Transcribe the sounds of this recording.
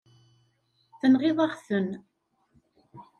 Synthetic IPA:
θənʁɪðˤɑʁθən

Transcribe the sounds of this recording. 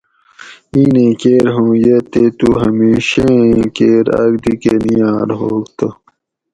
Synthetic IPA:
iːnẽːkeːɾɦõːjet̪et̪uɦɐmiːɕẽkeːɾɐ̰ɡd̪ikenijaːɾɦoːkt̪o

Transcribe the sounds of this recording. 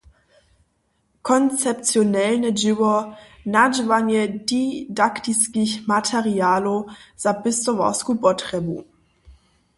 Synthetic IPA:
kʰɔnt͡sɛp̚t͡sjɔnɛlnɛd͡ʒɪwɔ | nad͡ʒvanjɛdidaktiskiçmatʰɛʁiaːloz̥apɪst̪ɔva̰skupɔtʁ̥ɛbṵ

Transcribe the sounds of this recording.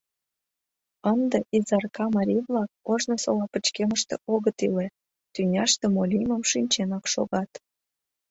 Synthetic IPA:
ənd̪eʔizɑrkɑmɑɾʲivlɑk̚oʒnosolɑpə̆t͡ɕkeməʃt̪ḛʔoɣət̪ile | t̪ynʲɑʃt̪emolʲiməmʃinʲt͡ɕenɑkʃo̰ɣɑt̪

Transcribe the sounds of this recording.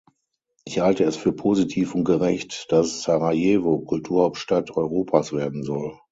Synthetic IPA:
ʔɪçhaltəɛsfyːɐpʰozitʰiːfʊnt̚ɡ̥əʁɛçtd̥asːaʁajeːvokʰʊltʰuːɐhaʊp̚tʃtatʰɔʏʁoːpʰasv̥eːɐdn̩zɔl

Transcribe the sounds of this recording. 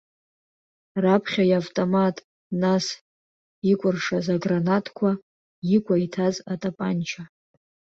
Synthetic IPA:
rapʰχʲajavtʼomatʼ | nas | ikʷʼʊrʂazaɡranatʰʼkʷʰa | jikʷʼaitʰazatʼapʼant͡ʃʰa

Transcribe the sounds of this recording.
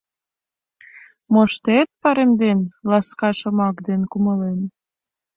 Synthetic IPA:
moʃt̪et̪̚pɑɾemd̪enlɑskɑʃəmɑkd̪enkuməlen

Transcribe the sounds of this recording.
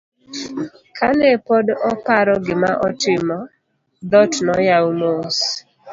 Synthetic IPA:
kʰanɛpɔdɔpaɾɔɡɪmaʔɔtɪmɔ | d̪ɔtnɔjawmos

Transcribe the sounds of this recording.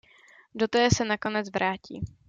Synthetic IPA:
dot̪ɛːsɛnako̞nɛt͡svɾʔaːcḭː

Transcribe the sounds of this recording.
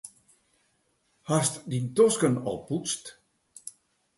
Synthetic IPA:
hastdintɔskənɔ̰lˠput͡st

